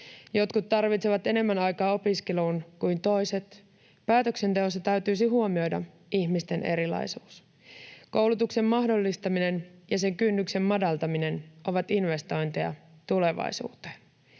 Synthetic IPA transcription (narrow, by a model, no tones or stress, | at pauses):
jo̞t̪kut̪ːɑrʋit̪seʋɑt̪e̞ne̞mːænɑjkɑːo̞piskeluːnkujnt̪o̞jse̞t̪ | pæːt̪ø̞kse̞nt̪e̞o̞st̪ɑt̪æɥt̪yːsiɦuo̞mio̞jdɑ̰ | içmist̪e̞nʔe̞ɾilɑ̰jsuːs | ko̞wlut̪ukse̞mːɑɦdo̞lːist̪ɑmine̞njɑse̞ŋkynːykse̞mːɑdɑlt̪ɑminenʔo̞ʋɑt̪inʋe̞st̪o̞jnt̪iɑ̰t̪ule̞ʋɑ̰isṵːt̪e